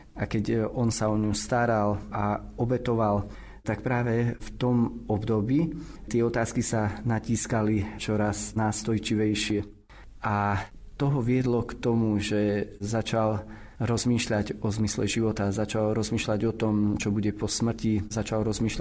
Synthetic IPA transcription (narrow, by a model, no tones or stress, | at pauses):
akɛɟɔnsaɔɲust̪aɾalʔaɔbɛt̪ɔʋal | t̪ak̚pɾaːʋɛft̪ɔmɔbd̪ɔbiːt̪ɪɛɔt̪aːskisanaciːskalit͡ʃɔɾaznaːst̪ɔjt͡ʃiʋɛjʃɪɛ | ʔat̪ɔɦɔʋɪɛd̪lɔkt̪ɔmuʒɛzat͡ʃal | ɾɔzmiːʃʎaɟɔzmislɛʒiʋɔt̪azat͡ʃalɾɔzmiːʃʎaɟɔt̪ɔmt͡ʃɔbuɟɛpɔsmr̩cizat͡ʃalɾɔzmiːʃla